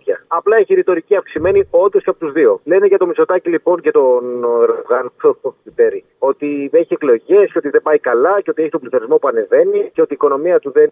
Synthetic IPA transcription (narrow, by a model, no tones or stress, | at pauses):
ɐɐplɐeçiɾit̪o̞ɾiciɐfksime̞nio̞nd̪o̞sceɐpot̪uzðio̞le̞neʝɐt̪o̞miso̞t̪ɐcilipo̞ɲcet̪o̞nɾɣɐnooit̪eɾi | ot̪iðeeçieklo̞ʝe̞sceo̞t̪iðe̞bɐikɐlɐceo̞t̪ieçit̪o̞mbliθo̞ɾizmo̞puɐne̞ve̞niceo̞t̪iːko̞no̞miɐt̪uðen